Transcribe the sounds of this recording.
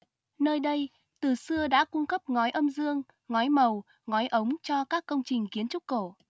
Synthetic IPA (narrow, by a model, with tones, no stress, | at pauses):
nəː˧jɗə˧j | t̪ɨ˨˩sɨ˧əɗa̰ː˧˥kʊ˧ŋ͡mkə˦˥p̚ŋɔ˨˦jʔə˧mzɨ˧əŋ | ŋɔ˨˦jmə˨˩w | ŋɔ˨˦jʔə˨˦wŋ͡mt͡ɕɔ˧kaː˦˥kːə˧wŋ͡mt͡ɕï˨˩ŋ̟ki˨˦ənt͡ɕʊ˦˥ko˧˩